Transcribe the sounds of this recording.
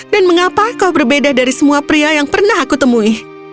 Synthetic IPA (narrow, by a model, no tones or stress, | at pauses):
danməŋapakaubərbedahdaɾisəmuapɾiajaŋpərnahɦakut̪əmuɪh